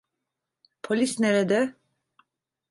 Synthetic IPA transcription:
pʰolʲisnɛɾɛd̪ɛ

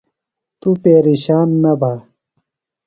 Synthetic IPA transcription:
t̪upeːɾiɕaːnːɐbʱaː

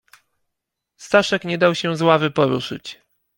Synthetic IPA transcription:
st̪aʂɛkɲɛd̪awɕɛzwavɘpɔɾuʂɘ̰t͡ɕ

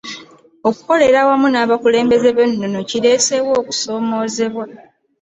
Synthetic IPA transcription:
o̞ku̥ko̞le̞ɾawamunaːβakule̞ːmbe̞ze̞βenːono̞ciɾe̞ːse̞wo̞ːku̥so̞ːmo̞ːze̞βwa

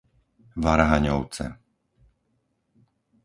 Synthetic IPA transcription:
ʋaɾɦaɲɔʊt͡sɛ̰

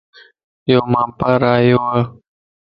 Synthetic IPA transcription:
joːmãːpaɾaːjoːaː

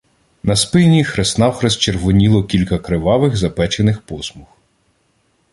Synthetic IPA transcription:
nɐspɪnʲixɾesnɑwxɾɛst͡ʃerʋʊnʲilˠɔkʲilʲkɐkɾɪʋɑʋɪɣzɐpɛt͡ʃenɪxpɔsmux

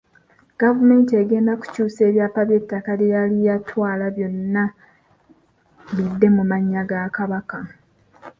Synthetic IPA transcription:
ɡ̥avume̞ːnteːɡe̞ːndaku̥cuːse̞ːβjaːpaβje̞tːakalijalijatʰwaːlaβjo̞nːa | βidːe̞mumaɲːaɡakaβaka

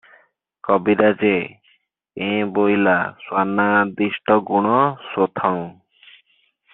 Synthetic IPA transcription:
kɔbiɾad͡ʒe | ẽbojlaswanːad̪iʃʈʰɔɡuɽ̃ɔsot̪ʰɔŋ

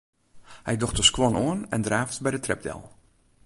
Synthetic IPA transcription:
hɛjdɔxtəskwɔnoənɛ̰ndraːftbɛjdətrɛp̚dɛ̰lˠ

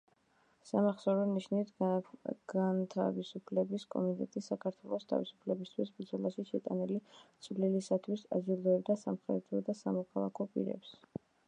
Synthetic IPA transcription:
samaχsɔɾɔniʃnit̪ʰ | ɡ̥ant̪ʰa̰visupʰlɛbiskʼɔ̰mit̪ʼɛt̪ʼisakʰaɾt̪ʰwɛlˠɔst̪ʰa̰visu̥pʰlɛbist̪ʰwisbd̪zɔlˠaʃiʃɛt̪ʼanilit̪sʼvlilisat̪ʰwisa̰zilˠɔɛbd̪asamχɾɛ̰d̪ɾɔd̪asamɔkʰalˠa̰kʰɔpʼḭɾɛ̰ps

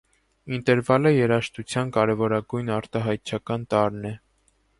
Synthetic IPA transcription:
int̪ɛɾvɑləjɛɾɑʃt̪ut͡sʰjɑnkɑɾɛvɔɾɑɡujnɑɾt̪ɑɦɑjt̪̚t͡ʃʰɑkɑnt̪ɑɾnɛ

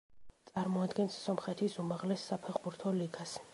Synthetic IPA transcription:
t̪sʼaɾmɔad̪ɡɛnsːɔmχɛt̪ʰisumaʁlɛsːapʰɛʁbuɾt̪ʰɔliɡas

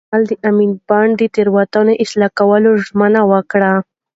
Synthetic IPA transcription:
ald̪əʔaminbɑɳɖd̪ət̪eɾwat̪ɑnoʔɪslɑkawəloʒmənawəkɽa

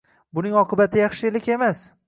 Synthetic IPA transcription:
bʊnɪŋɒqʰɨbat̪ʰɪjɑχʃɪlɪkʲe̞mas

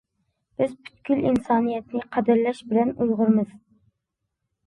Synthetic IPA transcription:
b̥ɪzpʰy̥t̪kʲylḭnsɑːnijɛt̪nɪqʰɑd̪ɨɾlɛʃbɪlɛnujʁʊɾmɨz̥

